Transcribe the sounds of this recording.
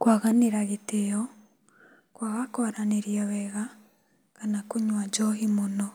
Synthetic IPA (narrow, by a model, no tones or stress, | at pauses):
kwaɣaneɾaɣetejɔ | kwaɣakɔɾaneɾjawɛɣa | kanakoɲwad͡ʒɔɦimonɔ